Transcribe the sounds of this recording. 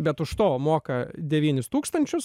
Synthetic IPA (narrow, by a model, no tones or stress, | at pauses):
bʲɛt̪ʊʃt̪oːmoːkɐd̪ʲɛʋʲiːnʲɪst̪uːkst̪ɐnʲt͡ʃʲʊs